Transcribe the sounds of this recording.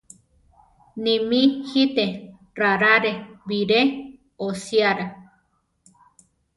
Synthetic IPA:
nĩmihit̪e | raɾaɾeβiɾe | osiaɾa

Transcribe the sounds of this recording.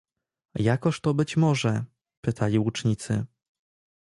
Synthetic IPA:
jakɔʂt̪ɔbɘt͡ɕmɔʐɛ | pɘt̪ʰalʲiut͡ʂɲit̪sɘ̰

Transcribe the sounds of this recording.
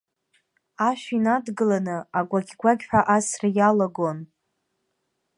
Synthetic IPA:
aʃᶣinadɡɨlanɨaɡʷaɡʲɡʷaɡʲħʷᶣaʔasrajalaɡon

